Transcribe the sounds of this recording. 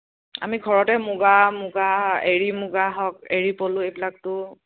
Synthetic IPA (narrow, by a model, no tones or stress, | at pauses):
a̰miɡʱɔɹɔtɛmʊɡamʊɡaeɹimʊɡaɦɔkeɹipolʊ̃ejbilak̚tʊ